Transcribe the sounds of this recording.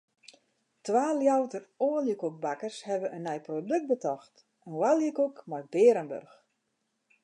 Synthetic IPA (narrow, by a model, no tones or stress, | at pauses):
tʋaːljawtəroːljəkuk̚bakərshɛʋəʔənːɛjprodøk̚t̚bətɔxt | ənwaljəkukmɔjbɪːɾənbø̰rx